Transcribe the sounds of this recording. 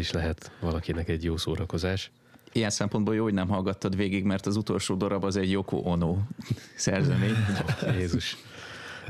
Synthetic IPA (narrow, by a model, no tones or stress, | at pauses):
iʃlɛɦɛt̪ʋɒlɒkinɛkɛɟjoːsoːɾɒko̞zaːʃ | ijɛnsɛmpo̞nd̪boːjoːɦoɟnɛmɦɒlɡɒt̪ːɒd̪ʋeːɡiɡmɛrt̪ɒzut̪o̞lʃoːd̪o̞ɾɒbɒzɛɟjo̞ko̰ːʔonoːsɛrzɛmeːɲjeːzuʃ